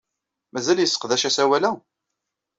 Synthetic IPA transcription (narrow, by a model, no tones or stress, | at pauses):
mæzæljəsːə̥qðæʃæsæwælæ